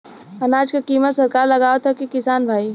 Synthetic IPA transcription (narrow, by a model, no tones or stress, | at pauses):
ɐnaːd͡ʒkakiːmət̪sɐɾkaːɾlɐɡaːet̪ʰakikɪsaːnbʱaːi